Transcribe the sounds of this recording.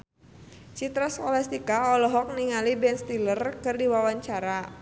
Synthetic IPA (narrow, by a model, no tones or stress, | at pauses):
t͡ʃit̪ɾaskɔlɛst̪ikaɔlɔɦɔk̚niŋalibɛnst̪ilərkɨrdiwawaɲt͡ʃaɾa